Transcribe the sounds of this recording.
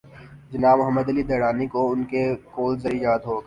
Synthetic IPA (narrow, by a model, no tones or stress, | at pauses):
d͡ʒɐnaːbmʊɦəmːəd̪ɐlid̪ɐːɽaːnikoʊnkekoːlzɐɾijaːt̪ɦoːɡ